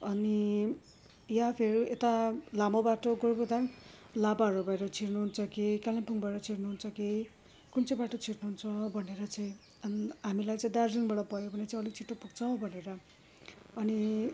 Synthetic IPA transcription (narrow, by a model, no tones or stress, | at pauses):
ʌni | japʰeɾiet̪alamobaʈoɡorbod̪anlabaʌɾubʱʌeɾʌt͡sʰiɾnuɦunt͡sʰʌkikalampuŋbʱʌeɾʌt͡sʰirnuɦunt͡sʰʌki | kunt͡sʌbaʈot͡sʰiʈnuɦunt͡sʰʌbʱʌneɾʌt͡saĩ | ʌnɦamilajt͡saĩd̪ard͡ziŋbaɽʌpʌjobʱʌnet͡saĩʌlit͡sʰiʈːopuɡt͡sʰʌw̃bʱʌneɾʌ | ʌni